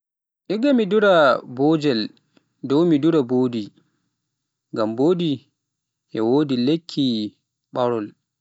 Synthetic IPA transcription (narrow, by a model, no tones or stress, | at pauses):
ʔiɡamiduɾabɔːd͡ʒɛl | dɔwmiduɾaboːdi | ŋɡamboːdi | ʔɛwoːdilekʰːi | ɓaɾɔl